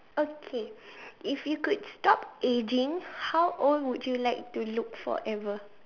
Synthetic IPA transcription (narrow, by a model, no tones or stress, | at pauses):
okʰeʔifjukudstɔpʔed͡ʒĩŋhawʔɔlwudjulaɪk̚tulukfɔ̰ʔɛvə